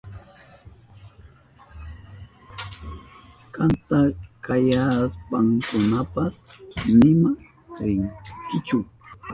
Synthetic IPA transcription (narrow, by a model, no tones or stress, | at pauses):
kant̪akajaspaŋkʊnapasnɪma | ɾɪŋkɪt͡ʃʊ